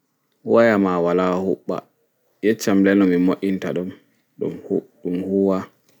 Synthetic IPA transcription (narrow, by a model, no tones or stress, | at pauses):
wajamawalahuɓːa̰ | jɛt͡ʃːamlɛnɔmimoʔintaɗɔm | ɗṵmhɗumhuwa